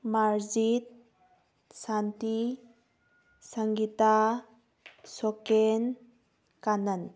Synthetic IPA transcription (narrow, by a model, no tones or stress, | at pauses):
maɾzit̪̚ | sant̪i | səŋɡita | sɔken | kanən